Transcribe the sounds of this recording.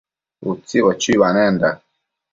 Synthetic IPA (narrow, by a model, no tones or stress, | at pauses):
ut͡siβɔt͡ʃiβanɛnda